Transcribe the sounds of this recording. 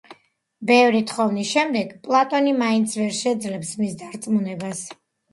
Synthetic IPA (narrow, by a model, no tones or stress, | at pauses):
bɛvɾit̪ʰχɔvnisʃɛmd̪ɛɡpʼlˠat̪ʼɔnimaint̪sʰvɛɾʃɛd̪zlɛpsmisd̪aɾt̪sʼmunɛbas